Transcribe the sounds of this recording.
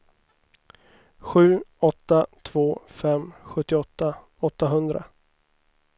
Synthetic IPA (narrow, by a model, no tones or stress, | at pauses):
ɧʉ̟ːɔt̪ːat̪ʰv̥oːfɛmɧɵt̪ːɪɔt̪ːa | ɔt̪ːaɦɵnd̪ɾa̰